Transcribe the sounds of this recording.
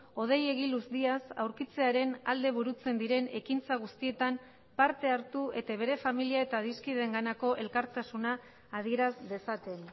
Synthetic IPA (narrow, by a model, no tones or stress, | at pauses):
o̞ð̞e̞je̞ɣ̞iluzd̪iasawɾkit͡se̞aɾe̞na̰ld̪e̞β̞uɾut͡se̞nd̪iɾe̞ne̞kint͡saɣ̞ust̪ie̞t̪am | paɾt̪e̞aɾt̪uʔe̞t̪aβ̞e̞ɾe̞familiae̞t̪aðiskiðeŋɡanako̞ʔe̞lkaɾt̪asunaː | ð̞ie̞ɾazde̞sat̪e̞n